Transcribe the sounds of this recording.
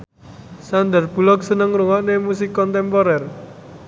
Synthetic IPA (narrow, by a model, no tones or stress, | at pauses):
sand̪ərb̥ṳlɔk̚sənəŋruŋaʔnemusikɔnt̪ɛmpɔɾɛr